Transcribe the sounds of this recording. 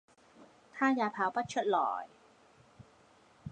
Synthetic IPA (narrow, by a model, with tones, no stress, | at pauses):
t̪ʰaː˥˩jaː˧˩pʰaː˨˦wpa˦˥t̪̚t͡ɕʰu˥t̪̚lɔ̰ː˨˩˦j